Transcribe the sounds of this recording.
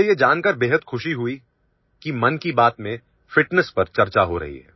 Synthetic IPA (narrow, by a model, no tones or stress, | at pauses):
ejed͡ʒaːnkəɾbeːɦəd̪xʊʃiɦʊi | kimɐnkibaːt̪mẽ | fɪʈnəspɐɾt͡ʃɐɾt͡ʃaɦoɾɐ̰ɦḭɦɛ̰ː